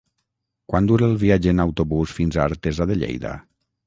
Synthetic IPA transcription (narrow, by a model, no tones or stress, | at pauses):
kwand̪uɾeːlˠβiad͡ʒenawt̪oβusfinzaːɾt̪ezaðeʎḛjða̰